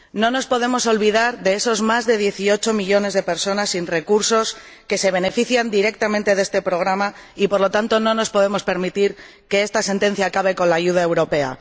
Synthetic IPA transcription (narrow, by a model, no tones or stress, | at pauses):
nõ̞no̞spo̞ðe̞mo̞so̞lβiðaɾðe̞eso̞zmazðe̞ð̞je̞θio̞t͡ʃo̞miʎo̞ne̞zð̞e̞pe̞ɾso̞nasːinre̞kuɾso̞ske̞se̞β̞e̞ne̞fiθjand̪iɾe̞k̚t̪amẽnt̪e̞ðe̞st̪e̞pɾo̞ɣ̞ɾama | ipo̞ɾlo̞t̪ant̪o̞nõ̞no̞spo̞ð̞e̞mo̞spe̞ɾmit̪iɾ | ke̞est̪ase̞nt̪e̞n̟θjaːkaβe̞ko̞nlaːʝuð̞ae̞wɾo̞pe̞a̰